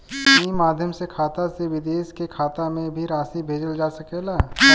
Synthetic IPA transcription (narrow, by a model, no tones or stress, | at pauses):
imaːd̪ʱjəmsekʰaːt̪aseʋɪd̪eːʃkekʰaːt̪amẽbʱiɾaːsibʱeːd͡ʒəld͡ʒaːsɐkelaː